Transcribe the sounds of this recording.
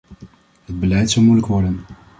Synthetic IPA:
ɦəd̚bəlɛjtsɑwˠmujləkʋɔɹdən

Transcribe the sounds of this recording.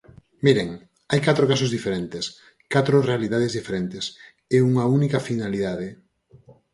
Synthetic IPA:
miɾeŋ | ajkat̪ɾokas̬ozðifeɾent̪ɪs | kat̪ɾʊrealiðað̞ezðifeɾent̪ɪs | euŋɐunikɐfinaliðaðɪ

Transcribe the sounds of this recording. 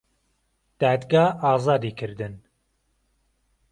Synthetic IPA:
d̪̥ɑːd̪ɡɑːɑːzɑːd̪iːkʰɨɾd̪ɨn

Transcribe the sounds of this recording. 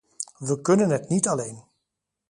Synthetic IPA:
ʋəkɵnənɦɛtnitalejn

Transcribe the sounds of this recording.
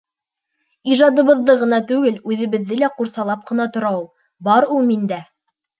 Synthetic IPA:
iʒɑd̪ɤ̆βɤ̆ðːɤʁɤ̆nɑt̪ʉɡɘlʉðɘ̆βɘ̆ðːɘlæquɾsɑlˠɑp̚qɤ̆nɑt̪ŏɾɑw | bɑɾulˠmind̪æ

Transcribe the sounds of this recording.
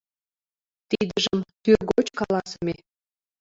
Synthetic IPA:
t̪id̪əʒəmt̪yrɡot͡ɕkɑlɑsəme

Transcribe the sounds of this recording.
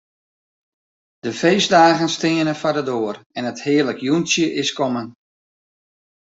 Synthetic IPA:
d̥əfejsdaːɣənstɪənəfadədoərɛnəthɪərləkjunsjəʔɪskɔmən

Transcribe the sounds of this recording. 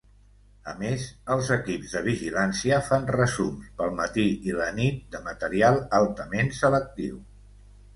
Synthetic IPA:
ə̰mezəlˠzəkibzðəβ̞iʒilansiəfanrəzumspəlˠmət̪iilənit̪̚d̪əmət̪əɾialˠalˠt̪əmensələk̚t̪iw

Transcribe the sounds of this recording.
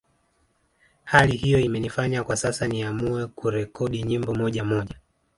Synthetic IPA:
halihijɔimɛnifaɲakwasasaniamuɛkuɾɛkɔɗiɲimbɔmɔʄamɔʄa

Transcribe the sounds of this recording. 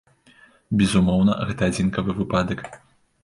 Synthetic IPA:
bʲɛzumɔwnɐ̰ɣɛt̪ɐad͡zʲinkɐvɨvɨpad̪ɐk

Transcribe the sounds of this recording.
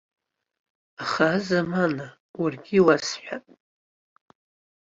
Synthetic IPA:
aχaːzamana | warɡʲiwasħʷᶣapʼ

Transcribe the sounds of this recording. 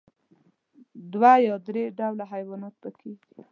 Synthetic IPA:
d̪wajɑd̪ɾeɖawlaɦajwɑnɑt̪̚bəkʰeɡi̥

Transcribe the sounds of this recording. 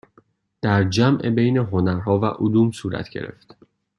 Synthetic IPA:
d̪̥æɾd͡ʒæmʔebejne̞ɦo̞næɾhɒːvæʔud̪uːmsuːɾæ̰t̪ʰɟe̞̰ɾe̞̰ft̪

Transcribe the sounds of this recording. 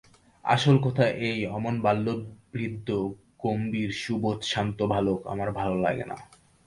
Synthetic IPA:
a̰ʃolkot̪ʰaʔejɔmonbalːobɾid̪ʱːo | kombiɾʃubot̪ʃant̪obʱaloka̰maɾbʱalola̰ɡḛna̰

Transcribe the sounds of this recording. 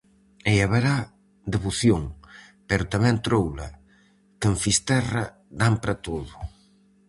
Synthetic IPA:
eaβeɾa | d̪eβoθjoŋpɛɾʊt̪amɛ̃nt̪ɾowlɐ̰ | kəɱfist̪ɛrɐ | d̪ampɾɐt̪oðʊ

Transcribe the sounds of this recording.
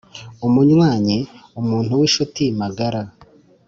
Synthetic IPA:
umuɲwaːɲeumuːnhuwiʃotimaɡaɾa

